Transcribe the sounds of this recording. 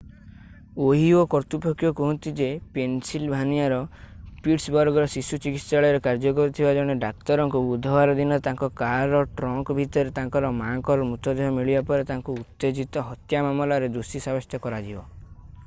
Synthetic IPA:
oɦiokɔɾt̪upokjɔkɔɦɔnt̪id͡ʒepensilbʱaniaɾɔpiʈsbɔɾɡɔɾɔsisut͡ʃikit̪saɭɔɾekaɾd͡ʒɔkɔɾit̪ʰibad͡ʒɔɽ̃eɖak̚t̪ɔɾɔŋkuud̪ʱɔwaɾɔd̪inɔt̪aŋkɔkaɾɔʈɾɔŋkɔbʱit̪ɔɾet̪aŋkɔɾɔmaŋkɔɾɔmut̪ɔd̪eɦɔmiɭibapɔɾet̪aŋkuut̪ːed͡ʒit̪ɔɦɔt̪jamamɔlaɾed̪usisabɔst̪jɔkɔɾad͡ʒibɔ

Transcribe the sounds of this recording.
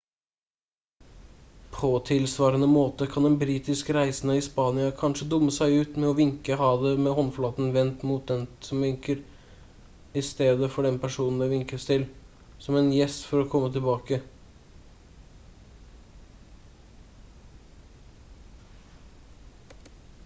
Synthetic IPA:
pʰɔt̪ʰɪlsʋɑːɾənəmoːt̪əkʰɑnd̪ɛnbɾiːt̪ɪskəɾæɪsn̩ɑɪspɑːnɪɑkʰɑnʂəd̪ʊmːəsæɪʉːt̪mɛɔʋɪŋkəɦɑːd̪əmɛhɔnflɑːt̪n̩ʋɛnt̪muːt̪̚d̪ɛnsɔmʋɪŋkəɾ | ɪst̪eːd̪əfɔɖɛnpʰæʂuːnn̩d̪ɛʋɪŋkəst̪ʰɪl | sɔmɛnjɛst̪fɔɾɔkʰɔmːət̪ʰɪlbɑːkə

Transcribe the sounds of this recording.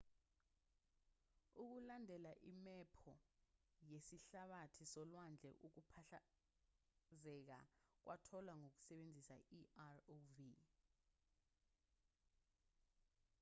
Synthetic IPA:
uk̬ulandʱɛlaʔimɛpʰɔ | jesiɬaɓatʰisɔlwand͡ɮʱɛ̰ʔuk̬upʰaɬa | zɛk̬a̰k̬wʔatʰɔlwaŋok̬u̥sɛɓend͡zʱisa̰iarovi

